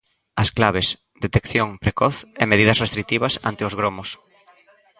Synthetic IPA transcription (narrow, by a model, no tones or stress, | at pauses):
ɐsklaβɪs | d̪et̪ekθjoŋpɾekɔθemeðiðɐsrest̪ɾit̪iβɐsa̰nt̪ɪʊzɣɾomʊs